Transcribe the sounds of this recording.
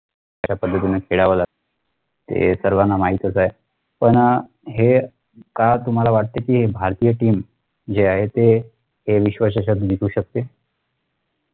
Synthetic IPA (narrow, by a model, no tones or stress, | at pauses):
at͡ɕapəd̪ʱːət̪inakʰeɽaʋəla | t̪ḛsəɾʋanːamaɦit̪əsaɦe | pəɳ | ɦe | kat̪um̤alaʋaʈ̚t̪ekiːɦebʱaɾt̪ijəʈiːm | d͡ʑeaɦet̪e | ɦeʋiɕʋaɕ̬aɕəd̪d̪it̪ʰuːɕək̚t̪e